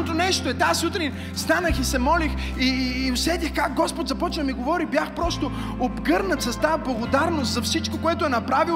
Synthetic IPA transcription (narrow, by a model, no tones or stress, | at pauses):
ot̪onɛʃt̪oɛt̪asut̪ɾin | st̪anəxisɛmɔlix | iːosɛd̪ʲixkak̚ɡɔspot̪zɐpɔt͡ʃnəmiɡovɔɾibjaxpɾɔst̪o | obɡɤɾnət̪sɐst̪ablˠɐɡod̪aɾnost̪zɐfsit͡ʃkokoɛt̪ʊɛnɐpɾavi